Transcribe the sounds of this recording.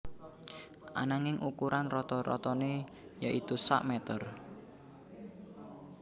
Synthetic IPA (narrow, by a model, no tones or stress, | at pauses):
ʔa̰naŋɪŋukuɾʔanrɔt̪ɔɾɔ̰t̪ɔne | jaʔit̪usa̰ʔmɛt̪ər